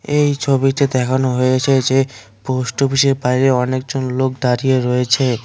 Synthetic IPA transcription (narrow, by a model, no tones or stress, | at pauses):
ejt͡ɕʰobiʈed̪ɛkʰanoɦojet͡ɕʰed͡ʑe | posʈobiʃeɾbajɾeɔnek̚d͡ʑonlok̚d̪aɾijeɾɔjet͡ɕʰe